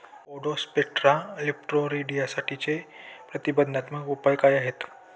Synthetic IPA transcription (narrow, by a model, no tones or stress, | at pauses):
oɽospeʈɾalip̚ʈɾoɾiɖijasaʈʰit͡sepɾət̪ibəd̪ʱnat̪məɡupəjkajaɦet̪